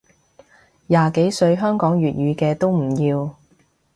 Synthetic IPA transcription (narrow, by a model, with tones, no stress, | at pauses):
jaː˨ke˨˥jsɵ˧ɥɦœː˥ŋkɔː˨˥ŋjyː˨t̚jyː˨˧kɛː˧t̪o˥wm̩˨˩jiː˧w